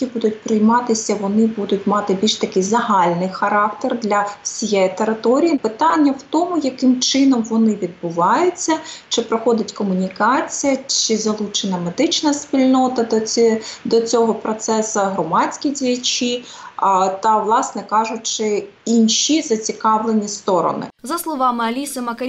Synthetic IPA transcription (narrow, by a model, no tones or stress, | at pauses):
kʲibud̪ʊt̚ʲpɾɪjmɑt̪ɪsʲɐʋɔnɪbud̪ʊtʲmɑt̪ɪbʲilʲʃt̪ɐkɪjzɐɦɑlʲnɪjxɐɾɑkt̪erd̪lʲɐwsʲijɛjit̪eɾɪt̪ɔɾʲijipɪt̪ɑnʲːɐwt̪ɔmʊjɐkɪmt͡ʃɪnɔmʋɔnɪʋʲid̪̚bʊʋɑjʊt͡sʲːɐt͡ʃɪpɾɔxɔd̪ʲɐtʲkɔmʊnʲikɑt͡sʲijɐt͡ʃɪzɐlˠut͡ʃenɐmed̪ɪt͡ʃnɐsʲpʲilʲnɔt̪ɐ | d̪ɔt͡sʲɔɦɔpɾɔt̪sɛsɐɦɾɔmɑt͡sʲkʲijdʲijɐt͡ʃi | t̪ɐʋlˠɑsnɛkɑʒʊt̚ʲt͡ʃɪ | inʃʲizɐt͡sʲikɑʋlˠenʲist̪ɔɾɔ̰nɪ̰zɐslˠɔʋɑmɪɐlʲisɐmɐk